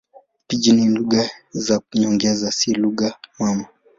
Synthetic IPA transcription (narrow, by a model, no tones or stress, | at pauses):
pid͡ʒininluɡazakuɲɔŋɡɛzasiluɠamwama